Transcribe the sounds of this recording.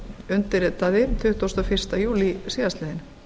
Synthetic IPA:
ʏnt̪ɪɾt̪aðɪt̪ʰʏht̪ost̪ɔfɪr̥t̪ajuːlisiːaslɛðɪn

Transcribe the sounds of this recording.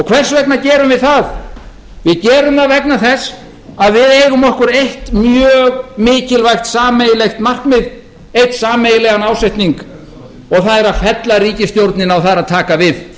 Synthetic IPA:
ɔɣkʰvɛr̥svɛk̚nacɛːɾʏmvɪðθað | vɪðcɛːɾʏmaðvɛknaθɛs | aðvɪðejɣʏmɔhkʏɾejht̪mjœːɣmɪːcɪlvajxt̪saːmejɪlejxt̪mar̥kmɪð | ejht̪saːmejɪlɛɣanaːwsejht̪niŋk | ɔɣθaðɛɾaðfɛt̪laɾiːcɪst̪jowɾt̪nɪnawθaðɾaðt̪ʰaːkavɪð

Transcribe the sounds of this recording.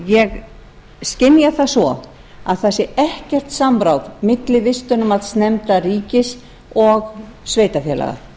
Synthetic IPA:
jɛɣ | scɪnːjaθasvɔ | aðθasɪɛhcɛr̥t̪sampɾawvmɪt̪lɪvɪst̪ʏnʏmaðsnɛmt̪ariːcɪs | ɔɣsveːjt̪afjɛ̰la̰ɣa̰

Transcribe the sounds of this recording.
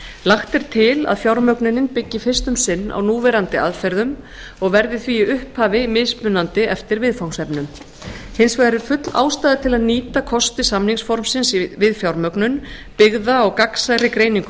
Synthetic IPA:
laxt̪ɛɾ̥t̪ʰɪla̰ðfjawɾmœknʏnɪnpɪcːɪfɪr̥st̪ʏmsɪnːa̰wnuːvɛɾant̪ɪʔaðfɛɾðʏm | ɔɣvɛɾðɪθviʏhphaːvɪmɪðspʏnant̪ɪɛft̪ɪɾvɪðfawŋsɛpnʏm | hɪnsvaɣaɾɪɾ̥fʏt̪la̰ːwst̪aːðɪt̪ʰɪlaðniːt̪akʰɔst̪ɪsamniŋsfɔɾmsɪnsvɪðfjawɾmœknʏn | pɪɣðaɔɣkaksajɾɪkɾeːjniŋkʏ

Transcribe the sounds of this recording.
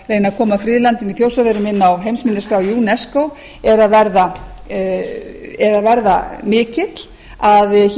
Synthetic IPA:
reːjnaðkʰɔːmafɾɪːðlant̪ɪniθjowsaðeɾʏmɪnːawɦejmsmɪnːɪskɾawjuːnɛskow | ɛɾaðvɛɾða | ɛɾaðvɛɾða̰mɪːcɪt̪l̥ | aðç

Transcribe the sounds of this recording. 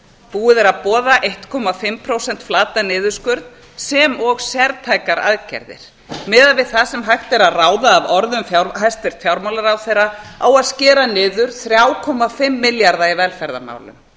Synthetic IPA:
puːɪðɛɾaðpɔːðaʔejht̪kʰɔmafɪmpʰɾoːwsɛn̥t̪flaːt̪anɪːðʏɾ̥skœɾt̪ | sɛmɔɣsɛɾt̪ʰaːjkaɾa̰ðcɛ̰ɾðɪ̰ɾ̥ | mɛːðaðvɪðθasɛmɦajht̪ɛɾaðraːwðaːvɔɾðʏmfjaɾɦajst̪vɪɾ̥t̪fjawɾmawlaɾawθejɾːaawaðscɛːɾanɪːðʏɾ̥θɾjaːwkʰɔmafɪmːɪljaɾðaivɛlfɛɾða̰ma̰ːwlʏ̰m

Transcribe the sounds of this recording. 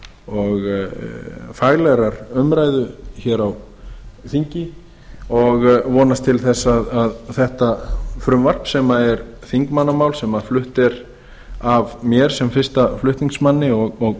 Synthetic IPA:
ɔɣ | faɣlɛɾaɾʏmɾaːjðʏçɛːɾaw | θiɲcɪ | ɔɣvɔːnast̪ʰɪlθɛsːaðaðθɛht̪afɾʏmvar̥psɛmaɛɾ | θiŋkmanːamaːwlsɛmaflʏht̪ɛɾ | avmjɛɾ̥sɛmfɪr̥st̪aflʏht̪niŋksmanːɪɔɣɔɣ

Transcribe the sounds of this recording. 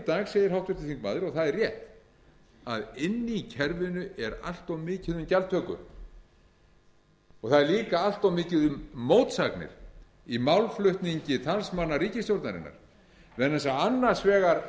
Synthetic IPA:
t̪aːɣsejðɪɾɦawht̪vɪɾ̥t̪ɪθiŋkmaːðɪɾɔɣθaðɛrjɛht̪ | a̰ðɪnːɪicʰɛɾvɪnʏɛɾa̰l̥t̪ɔwmɪːcɪðʏmcalt̪ʰœːkʏ̰ | ɔɣθaðɛɾliːkaal̥t̪awmɪːcɪðʏmːoːwt̪saknɪ̰ɾ̥ | imawlflʏht̪niɲcɪt̪ʰalsmanːariːcɪst̪jowɾt̪na̰ɾɪ̰nːa̰ɾ̥ | vɛnːɛsaanːaɾ̥svɛːɣaɾ

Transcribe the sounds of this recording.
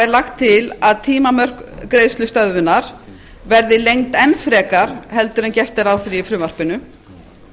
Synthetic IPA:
ɛɾlaxt̪ʰːɪlaðt̪ʰiːmamœr̥kkɾeːjst̪lʏst̪œðvʏnaɾ̥ | vɛɾðɪlejŋt̪ɛnfɾɛːkaɾ̥hɛlt̪ʏɾɛncɛr̥t̪ɛɾawθɾiifɾʏːvar̥pɪnʏ

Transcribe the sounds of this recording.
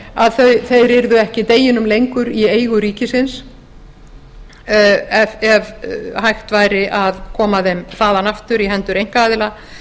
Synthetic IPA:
aðθœθejrɪɾðʏɛhcɪt̪eːjɪnʏmlejŋkʏɾieːjɣʏɾiːcɪsɪns | ɛvɛvhajxt̪vaːjɾɪʔaðkʰɔːmaðɛmθaːðanaft̪ʏɾiɦɛnt̪ʏɾejŋ̥kaaːðɪla

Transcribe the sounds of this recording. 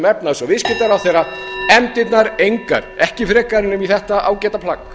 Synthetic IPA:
mɛpnaðsɔɣvɪscɪt̪aɾawθejɾaɛmt̪ɪt̪naɾejŋka̰ɾɛhcɪfɾɛːkaɾɪnʏmiθɛht̪aʔa̰ːwcɛːt̪apʰlak

